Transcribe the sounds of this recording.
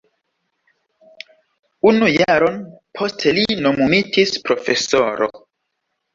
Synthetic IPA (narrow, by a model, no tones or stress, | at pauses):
unujaɾonpʰo̞stʰelinomumitʰispɾo̞fe̞soɾo̰